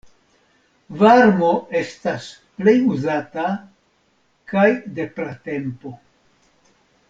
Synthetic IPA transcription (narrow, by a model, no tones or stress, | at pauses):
vaɾmo̞e̞stas | ple̞juzata | kajde̞pɾate̞mpo̞